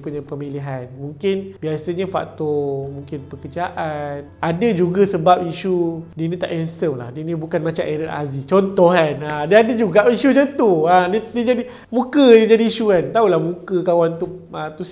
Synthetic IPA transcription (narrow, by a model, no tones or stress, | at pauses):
puɲãpəmiliɦanmũŋkɪnbiasəɲəfa̰k̚t̪ɔmuŋkɪnpəkəd͡ʒaʔanadəd͡ʒuɡasəbap̚iʃudinĩt̪a̰ʔɛnsəmla̰hdinibukanmãt͡ʃa̰mʔɛɾəla̰zist͡ʃɔnt̪ɔhkanadiadəd͡ʒuɡaʔiʃud͡ʒənt̪uadidid͡ʒadi | mũkəid͡ʒadiːʃukant̪aulahmũkəkawant̪uət̪u